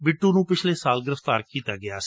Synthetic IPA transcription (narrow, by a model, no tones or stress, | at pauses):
bɪʈːuːnũːpɪt͡ʃʰleːsaːlɡəɾəft̪aːɾkiːt̪aːɡɪaːs